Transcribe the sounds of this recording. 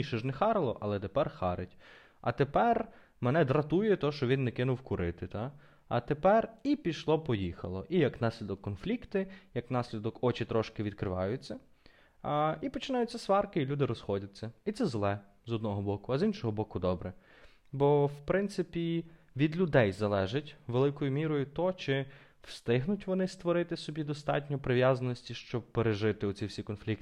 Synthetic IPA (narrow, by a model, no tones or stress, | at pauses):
iʃɛʒnɛxɑɾlˠɔʔɐlˠɛt̪epɛrxɑɾɪtʲ | ɐ̰t̪epɛr | menɛd̪ɾɐt̪ujɛt̪ɔɦɔʃt͡ʃɔʋʲinːɛkɪnʊwkʊɾɪt̪ɪt̪ɑ | ɐ̰t̪epɛripʲiʃlˠɔpɔjixɐlˠɔʔijɐknɑsʲlʲid̪ɔkːɔnflʲikt̪ɪjɐknɑsʲlʲid̪ɔkɔt͡ʃɪt̪ɾɔʃkɪʋʲid̪kɾɪʋɑ̰jʊt͡sʲːɐ | ipɔt͡ʃɪnɑjʊt͡sʲːɐsʋɑrkɪilʲud̪ɪɾɔsxɔdʲɐt͡sʲːɐit̪sɛzlˠɛ | zɔd̪nɔɦɔbɔkʊɐzinʃɔɦɔbɔkʊd̪ɔbɾɛ | bɔwpɾɪnt̪sɪpʲi | ʋʲid̪lʲʊd̪ɛjzɐlˠɛʒɪtʲʋelˠɪkɔjʊmʲiɾɔjʊt̪ɔt͡ʃɪ | w̥st̪ɪɦnʊtʲʋɔnɪst̪ʋɔɾɪt̪ɪsɔbʲid̪ɔst̪ɑ̰tʲnʲɔpɾɪʋjazɐnɔsʲtʲiʃt͡ʃɔb̚peɾeʒɪt̪ɪɔt͡sʲiwsʲikɔnflʲik̚t̪ɪ